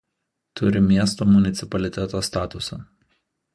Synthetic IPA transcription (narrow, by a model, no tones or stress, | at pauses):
t̪ʊɾʲɪmʲiɛst̪oːmʊnʲɪt̪sʲɪpɐlʲɪt̪ʲɛt̪oːst̪ɑːt̪ʊsɐ